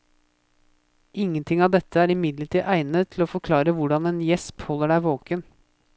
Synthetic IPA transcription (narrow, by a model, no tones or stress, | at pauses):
ʔɪŋːənt̪ʰɪŋɑʋd̪ɛt̪ʰːəæːɾɪmɪd̪ləʈʰiːʔæɪnət̪ʰɪloːfɔɾkʰlɑːɾəʋʊɖɑneːnjɛsphɔlːəɖæɪʋoːkən